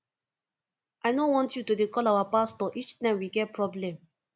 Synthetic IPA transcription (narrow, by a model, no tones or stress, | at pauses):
ʔaɪnõnwɔ̃ntjutudekɔlawapastɔʔit͡ʃtãɪ̃mwiɡɛt̚pɹɔblɛ̃m